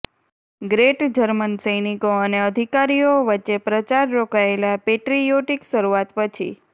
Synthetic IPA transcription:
ɡɾeʈd͡ʒəɾmənsəjnikoəneəd̪ʱikaɾijoʋətːʃepɾət͡ʃaɾːokaelapeʈɾijoʈikʃəɾuat̪pət͡ʃʰḭ

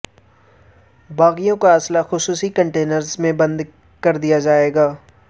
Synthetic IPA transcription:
baːɣijõkaɐslaxʊsuːsikɐ̃ɳʈeːnəɾzmẽbɐ̃nd̪ | kɐɾd̪ijad͡ʒaːeːɡaː

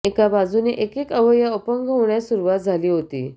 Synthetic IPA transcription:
ekabad͡zuneʔekekəʋəjəopəŋɡʱəʋɳjasuɾuʋat̪̚d͡zʱaliːɦot̪ḭː

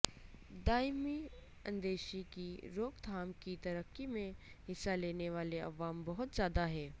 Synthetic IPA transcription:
d̪aːjmi | ɐ̃nd̪eːʃikiɾoːɡd̪ʱaːmkit̪ɐɾəkːimẽ | ɦɪsːaleːneʋaːleɐ̰ʋaːmbɐɦʊt̪zjaːd̪aɦɛː

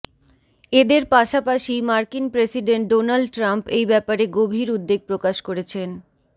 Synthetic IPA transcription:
ed̪eɾpaʃapaʃimaɾkinpɾesiɖeɳʈ̚ɖonalɖʈɾampejbɛpaɾeɡobʱiɾud̪ːeɡ̚pɾokaʃkoɾet͡ɕʰen

